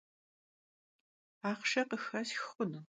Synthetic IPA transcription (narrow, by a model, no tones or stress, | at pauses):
aːχʃɐqəxɐsxxʷʊnɨ